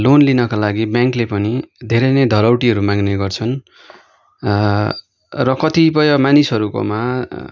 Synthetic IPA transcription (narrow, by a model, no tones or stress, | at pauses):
lonlinʌkalaɡibjaŋklepʌnid̪ʱeɾʌnʌjd̪ʱʌɾawʈiʌɾumaɡneɡʌrt͡sʰʌn | rʌkʌt̪ipʌjʌmanisɦʌɾuko̰ma